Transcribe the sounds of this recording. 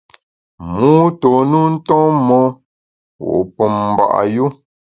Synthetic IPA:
mu˦to˨nu˦n̩˦tɔ̃˦mɔ˦ | wo̰˨ʔpə˨mm˨ba̰˨ʔa̰˨ju˦

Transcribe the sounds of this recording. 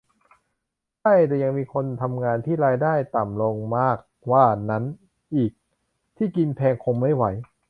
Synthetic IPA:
ta˥˩jt̪ɛː˨˩ja˧ŋmiː˧kʰo˧nt̪ʰa˧mŋaː˧nt̪ʰiː˥˩ɾaː˧jdaː˥˩jt̪a˨˩mlo˧ŋmaː˥˩k̚waː˥˩na˦˥n | ʔiː˨˩k̚ | t̪ʰiː˥˩ki˧npʰɛː˧ŋkʰo˧ŋma˥˩jwa˩˦j

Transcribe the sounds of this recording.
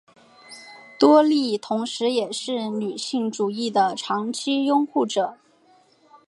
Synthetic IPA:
t̪wɔ˥li˥˩t̪ʰʊ˧˥ŋʂɻ̩˧˥jɛ˨˩ʂɻ̩˥˩ny˨˩ɕi˥˩ŋʈ͡ʂu˨˩i˥˩d̪ə˩ʈ͡ʂʰɑ˧˥ŋt͡ɕʰi˥jʊ˥ŋxu˥˩ʈ͡ʂɤ˨˩˦

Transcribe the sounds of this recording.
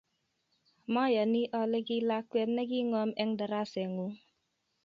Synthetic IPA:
mɔ˦ja˨ni˦ʔɔ˨lɛ˦ki˦la˦kːwɛ˦t̚nɛ˦ki˦ŋɔ˦mɛ˦ŋda˨ɾa˦sɛ˨ŋu˦

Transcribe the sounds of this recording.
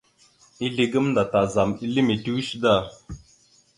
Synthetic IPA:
i˦ɮi˨ɡə˦mnda˨ta˨za˨mi˦li˦me˨ti˦wi˦ʃda˦˨

